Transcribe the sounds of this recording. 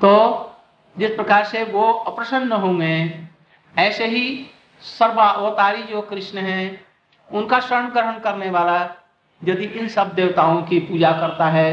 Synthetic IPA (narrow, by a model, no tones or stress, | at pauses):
t̪oː | d͡ʒɪspɾəkaːɾseʋoəpɾəʃənːəɦõːŋɡe | ɛːseɦi | səɾbaʔoːt̪aːɾid͡ʒoːkɾɪʃnəɦɛ̃ | ʊnkaʃəɾɳkəɾɦənkəɾneʋaːla | jɐd̪iʔɪ̃nsəb̚d̪eːwt̪aːõkipuːd͡ʒakəɾt̪aɦɛː